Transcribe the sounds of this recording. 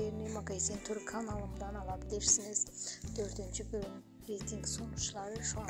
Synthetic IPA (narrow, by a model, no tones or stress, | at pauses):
eɾnemɑkajsent̪ʰɵɾkʰanalˠəɴd̪ɑnɑlˠɑd̪əd̪eʃsɪŋɪz̥t̪ʰɵɾt̪ɪnt͡ʃɪbn | ɾejt̪ʲiŋɡsonʊʃəlˠɑɾəʃo